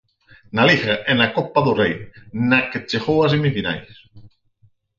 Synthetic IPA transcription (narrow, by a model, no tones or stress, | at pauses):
nalixaʔenakopaðorejnaket͡ʃexowas̬emifina̰js